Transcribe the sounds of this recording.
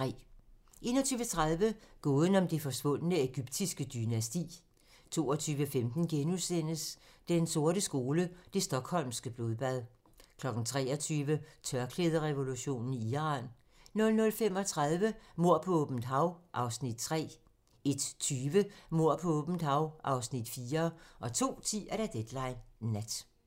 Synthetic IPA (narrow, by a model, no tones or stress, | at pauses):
ʁɛ̰ː | ʔe̝̰ːnɒ̽t͡sʰyːʋət͡sʰʁað̞ˠʋəɡ̥ɔːðˠn̩ɒ̽md̥efɒ̽sʋɔ̽n̰ənəeɡ̥yb̥d̥isɡ̥əd̥ynæsd̥ḭː | t͡sʰo̝ːɒt͡sʰyːʋəfemd̥n̩ɡ̥enusen̰əsd̥enso̝ɐɾəsɡ̥o̝ːləd̥e̝sd̥ɒ̽ɡ̥hɒ̽l̰msɡ̥əb̥lo̝ðˠb̥æð̞ˠ | kʰlɒ̽ɡ̥n̩t͡sʰʁɛ̰ːɒt͡sʰyːʋət͡sʰɶɐkʰleð̞ˠɐʁɛʋo̝luɕo̝̰ːnn̩iiʁɑ̰̈ːn | nɔ̽lnɔ̽lfem̰ɒ̽t͡sʰʁað̞ˠʋəmo̝ɐ̰pʰɒ̽ɔb̥mn̩d̥ɦɑ̈ʊʔɑ̈ʊsnid̥̚t͡sʰʁɛ̰ː | e̝d̥t͡sʰyːʋəmo̝ɐ̰pʰɒ̽ɔb̥m̩d̥hɑ̈ʊʔɑ̈ʊsnid̥fiːɐʔɒ̽t͡sʰo̝̰ːt͡sʰḭːæɾ̥æd̥ed̥lɑ̈ɪnːæd̥